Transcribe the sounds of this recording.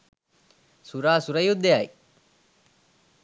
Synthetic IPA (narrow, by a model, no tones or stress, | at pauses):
suɾaːsuɾɐjud̪eaji